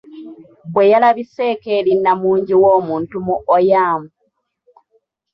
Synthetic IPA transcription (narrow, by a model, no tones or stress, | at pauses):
bwe̞jalaβiseːkeːlinːamuːɲɟiwoːmuːntumuʔojaːmu